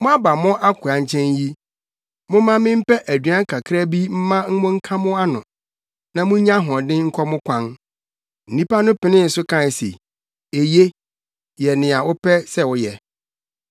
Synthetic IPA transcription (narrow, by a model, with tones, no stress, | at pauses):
mʊ̃˦a˦ba˨mʊ̃˦ʔa˦kʷʰʊ˨a˨ɲ˦t͡ɕʰɛ̃˦nji˦ | mʊ̃˦mã˦mɪ̃˦m̩˦pɛ˦ʔæ˨dɥã˦ŋ˦kʰa˨kʰɾa˦bi˦m̩˦mã˦m̩˦mʊ̃˦ŋ̩˦kʰã˦mʊ̃˦a˦nʊ̃˨ | nã˨mʊ̃˦ɲã˦ɦɔ̃˨dɪ̃˦ŋ̩˦kʰɔ˦mʊ̃˦kʷʰã˦n | n̩˨nĩ˦pa˦nʊ̃˦pɪ˨nɪ̃˦n̩˨sʊ˦kʰã˦n˨sḛ˨ | e˨je˦ | jɛ˨nɪ̃˨a˨wʊ˦pʰɛ˦sɛ˦wʊ˨˦jɛ˨